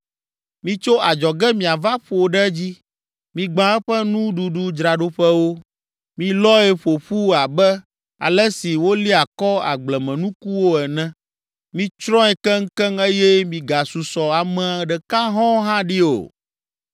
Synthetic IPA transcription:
mĩ˦t͡ʃo˦ʔa˨d͡ʒɔ˨ɡɛ˦mĩ˨a˨va˦ɸo˨ɖɛ˦d͡ʑi˦ | mĩ˨ɡ͡bã˦ɛ˦ɸɛ˦nũ˦ɖu˨ɖu˦d͡ʒɾa˨ɖo˦ɸɛ˦wo˦ | mĩ˦lɔ˦ɛ˦ɸo˨ɸu˦a˨bɛ˦ | a̰˨lɛ˦si˨wo˦li˦a˨kɔ˦a̰˨ɡ͡blɛ˨mɛ̃˨nũ˦ku˦wo˦ɛ˨nɛ̃˦ | mĩ˦t͡ʃɾɔ̃˦ɛ˨kɛ˦ŋ̩˦kɛ˦ŋe˦jɛ˦mĩ˨ɡa˨su˨sɔ˨a˨mɛ̃˦a˨ɖɛ˨ka˦ɦɔ̃˦ɦã˦ɖi˦o̰˨

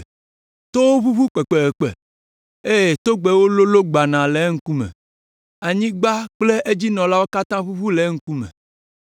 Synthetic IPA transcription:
t̪o˦wo˦βu˦βu˦k͡pe˨k͡pe˨k͡pḛ˨ | e˦je˨t̪o˦ɡ͡be˨wo˦lo˦lo˦ɡ͡ba˨nã˨le˨˦ŋ̩˦ku˦mḛ̃˨ | a˨ɲĩ˦ɡ͡ba˦k͡ple˦ʔe˦d͡ʑi˦nɔ̃˨la˦wo˦ka˦t̪ã˦βu˦βu˦le˨˦ŋ̩˦ku˦mḛ̃˨

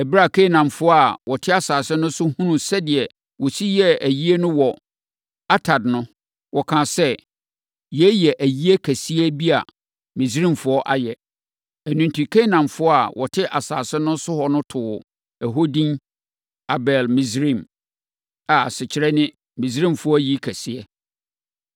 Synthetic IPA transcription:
ɛ˨bi˦ɾa˦˨kʰe˦˨nã˨mfʊ˦ɔ˦a˨wɔ˨tʰɪ˦a˨saː˨sɪ˦nʊ̃˦sʊ˦hũ˦nũ˨sɛ˦dɪ˨ɛ˨ | wɔ˨si˦jɛ˦æ˨ji˦e˦nʊ̃˦wɔ˨ | a˦tʰa˨dnʊ̃˦ | wɔ˨kʰã˨sɛ˦ | jɛ˦jɛ˨ʔæ˨ji˦e˦kʰæ˨si˦æ˦bi˦a̰˨ | mĩ˨sɾĩ˦˨mfʊ˦ɔ˦ʔa̰˨jɛ˨ | æ˨nũ˨n˨tʰi˨kʰẽ˦nã˨mfʊ˦ɔ˦a˨wʔɔ˨tʰɪ˦ʔa˨saː˨sɪ˦nʊ̃˦sʊ˦hɔ˨nʊ̃˦tʰʊ˨ | ɛ˨ɦo˦dĩ˦n | a˨bɛ˨lmĩ˨sɾĩ˦˨m | a˨a˨sɪ˨t͡ɕʰɪ˨ɾɛ˦nɪ̃˦ | mĩ˨s̬ɾĩ˦˨mfʊ˨˦ɔ˦ji˦kʰæ˨si˦ɛ˦

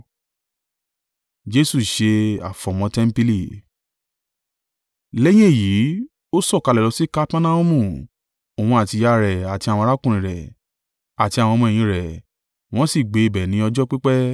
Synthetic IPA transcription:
d͡ʒe˦su˦˨ʃe˧a̰˨fɔ̃˨mɔ̃˧tɛ˦m̩˦pi˦li˦˨ | lɛ˦j̃ĩ˦e˦˨ji˨˦ | o˦sɔ˦˨ka˧lɛ˨lɔ˨˧˦si˦ka˦pa˦na˦ũ˦mũ˦˨ | o˨wũ˧˦a˨ti˧ja˧ɾɛ˨a˨ti˧˦ã˨ɔ̃˧ɾa˦kũ˦ɾ̃ĩ˨ɾɛ˨ | a˨ti˧a˨w̃ɔ̃˧mɔ̃˧ɛ˨jĩ˧ɾɛ˨ | w̃ɔ̃˦si˦˨ɡ͡be˨˧˨bɛ˨nĩ˨˦ɔ˧d͡ʒɔ˦k͡pi˦k͡pɛ˦

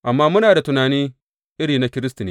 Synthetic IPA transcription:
ʔa˨mːaː˦mʊ˦naː˨da˨tʊ˨naː˨niː˦ | ʔɪ˦ɽiː˨na˦kʲɪ˦ɾɪ˦sti˨neː˦

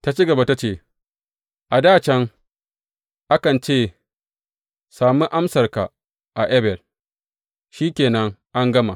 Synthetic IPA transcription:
ta˦t͡ʃi˦ɡɐ˨ba˦ta˦t͡ʃeː˦˨ | ʔa˨daː˦˨t͡ʃɛ˦ŋ | ʔa˦kɐ˨nt͡ʃeː˦˨ | saː˨mi˦ʔa˦msɐ˨rka˨ | ʔa˨ʔɛ˦bɛ˨l | ʃiː˦kʲeː˨nɐ˦ŋʔa˦ŋɡɐ˦ma˨

